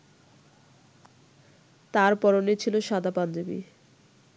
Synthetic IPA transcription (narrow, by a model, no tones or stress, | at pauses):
t̪aɾpɔɾonet͡ɕʰiloʃad̪ʱapand̪obḭ